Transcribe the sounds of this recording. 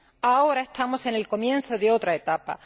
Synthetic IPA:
ao̞ɾae̞st̪amo̞se̞ne̞lko̞mjẽ̞nso̞ðeo̞t̪ɾae̞t̪apa̰

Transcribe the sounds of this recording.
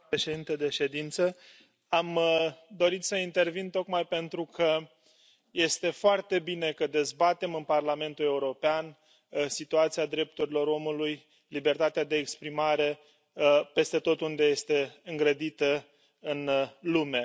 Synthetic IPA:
pɾeʃe̞d̪int̪ed̪e̞ʃe̞d̪int̪sə | amd̪o̞ɾit̪səint̪e̞rvint̪o̞kmajpe̞nt̪ɾukʰə | je̞st̪e̞foart̪e̞bine̞kəd̪e̞zbat̪e̞mɨnparlame̞nt̪ule̞uɾo̞pean | sit̪uat̪siad̪ɾe̞p̚t̪uɾilo̞ɾo̞muluj | libe̞rt̪at̪ead̪e̞ːkspɾimaɾe̞ | pe̞st̪e̞t̪o̞t̪und̪e̞je̞st̪e̞ɨŋɡɾəd̪it̪ə | ɨnlume̞

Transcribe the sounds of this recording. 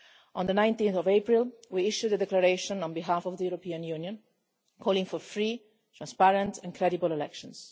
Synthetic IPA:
ʔɔ̃nd̪ənãj̃nt̪ĩnθɔvepɹilwiiʃjud̪əd̪ɛklaɾeʃɔ̃nɔ̃nbiɦafɔvd̪əjuɾɔpiːãnjunjɔ̃n | kʰɔːlĩŋfɔɾfɹi | t̪ɾãnspaɾə̃nt̪ʰɛ̃nkʰɾɛdibəlɛlɛkʃɔ̃ns

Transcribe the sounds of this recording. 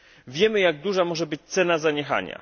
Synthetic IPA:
vʲjɛmɘjaɡ̚d̪uʐamɔʐɛbɘt͡ɕt̪sɛnazaɲɛxa̰ɲa̰

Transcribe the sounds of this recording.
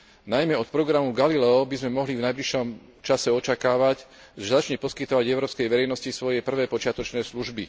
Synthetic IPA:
najmɛɔt̪̚pɾɔɡɾamuɡalilɛɔbizmɛmɔɦlivnajbliʃɔm | t͡ʃasɛɔt͡ʃakaːʋac | ʒɛzat͡ʃɲɛpɔskit̪ɔʋaɟɛʊɾɔːpskɛjʋɛɾɛjnɔscisʋɔjɛpr̩ʋɛːpɔt͡ʃɪat̪ɔt͡ʃnɛːsluʒbi

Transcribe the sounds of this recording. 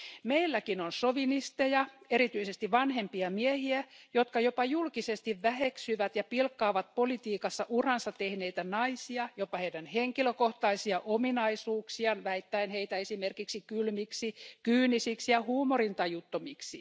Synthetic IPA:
meilːækinonsoʋinist̪ejɑeɾit̪yisest̪iʋʋɑnhempiɑmiehiæjot̪kɑjopɑjulkisest̪iʋʋæheksyʋæt̪jɑpilkːɑːʋɑt̪̚polit̪iːkɑsːɑʔurɑnsɑt̪ehneit̪ænɑisiɑjopːɑheidænheŋkiløkoht̪ɑisiɑʔominɑisuːksiɑnʋæit̪ːæinheit̪æesimerkiksikylmiksikyːnisiksijɑhuːmorint̪ɑjut̪ːomiksi

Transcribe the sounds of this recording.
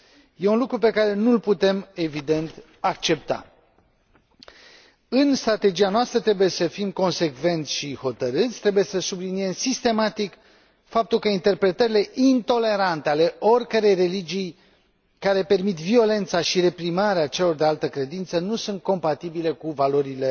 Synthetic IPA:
je̞unlukɾupe̞kaɾe̞nulput̪e̞me̞vid̪e̞nt̪ | ak̚t͡ʃe̞p̚t̪a̰ | ɨnst̪ɾat̪e̞d͡ʒianoast̪ɾət̪ɾe̞buje̞səfimko̞nse̞kve̞nt̪sʲʃiho̞t̪əɾɨt̪sʲt̪ɾebuje̞səsublinie̞msist̪e̞mat̪ik | fap̚t̪ulkəint̪e̞rpɾe̞t̪əɾile̞ʔint̪o̞le̞ɾant̪e̞ale̞orʲkəɾe̞jre̞lid͡ʒij | kaɾe̞pe̞rmit̪vio̞le̞nt̪saʃiɾe̞pɾimaɾeat͡ʃe̞lo̞rd̪ealt̪əkɾe̞d̪int̪sənusunt̪̚ko̞mpat̪ibile̞kuvalo̞ɾile̞

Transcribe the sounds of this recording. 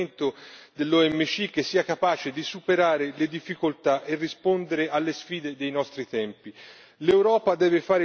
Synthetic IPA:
nt̪od̪elːɔɛmːet͡ʃik̟ːesːiːakapaːt͡ʃed̪isupeɾaːɾeled̪ifːikolt̪aʔerːispond̪eɾeʔalːesfiːd̪ed̪ejnɔst̪ɾit̪ɛmpi | lewɾɔːpad̪ɛːvefaːɾe

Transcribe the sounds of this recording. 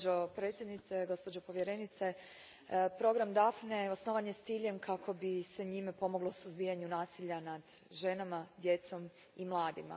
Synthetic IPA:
opɾe̞ːt̪sjed̪nit̪seɡo̞spo̞d͡ʑopo̞ʋje̞ɾenit̪se̞ | pɾo̞ɡɾamd̪afneosnoːʋaɲje̞st̪iːʎe̞mkʰakʰo̞bise̞ɲimepo̞mo̞ɡlˠo̞suzbijaɲunaːsiʎanad̪ʒe̞namad̪je̞t̪so̞m | imlˠaːd̪ima̰

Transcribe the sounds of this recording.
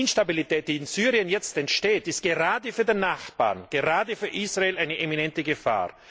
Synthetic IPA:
ɪnʃtabilitʰɛːt̚d̥iːɪnzyːʁiənjɛt͡stɛntʃteːtɪst̚ɡ̥eʁaːdəfyːɐdenːaχb̥a̰ːnɡ̥eʁaːdəfyːɐʔisʁ̥aeːlʔaɪnəʔeminɛntəɡəfa̰ːʁ

